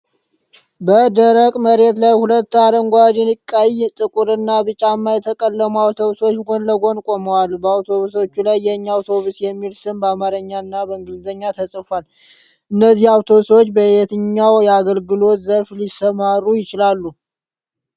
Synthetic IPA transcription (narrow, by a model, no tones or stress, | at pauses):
bəd̪əɾəkʼməɾe̞t̪lajhulət̪ːad̪əŋɡʷad̪ɛnɨkʼːajt̪ʼɨkʼuɾɨnːabɨt͡ʃʼamːajɛt̪ʰəkʼəlːəmuawt̪ʰo̞βusot͡ʃːɡo̞nləɡo̞nkʼoməwalbəawt̪ʰo̞βuso̞t͡ʃːulajːɛɲːaawt̪ʰo̞βusjɛmːilsɨmbamaɾəɲːanːabəɨŋɡɨlzəɲːat̪ʰəsʼəfal | ʔɨnːəzːihawt̪ʰo̞βuswot͡ʃːbəet̪ʰɨɲːawjɛaɡəlɡɨlo̞t̪zəɾflisəmaɾːujɪt͡ʃɪlalːu